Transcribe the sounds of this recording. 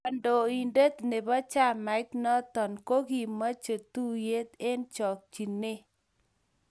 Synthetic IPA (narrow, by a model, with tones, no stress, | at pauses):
ɔ˨ndo˨i˨nde˦t̪ne˨ba˦t͡ʃa˦˨ma˨ɪ˦t̪nɔ˦t̪ɔ˨nko˦ɡi˦ma˦t͡ʃe˨t̪u˦je˦t̪e˦nt͡ʃɔ˨k̚t͡ʃi˨nːe˦